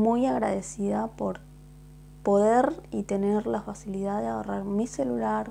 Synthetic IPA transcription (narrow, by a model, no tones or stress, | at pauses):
mujaɣɾa̰ðesiðapoɾ | poðeɾit̪e̞neɾlafasiliðaðeaoraɾmiselulaɾ